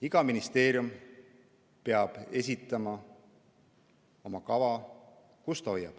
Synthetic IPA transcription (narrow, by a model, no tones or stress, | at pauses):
iɡ̥ɑminist̪e̞ːɾjum | peɑb̥e̞s̬ʲit̪ˑːɑmɑ | o̞mɑkɑvɑ | kust̪ɑo̞jːɑb̥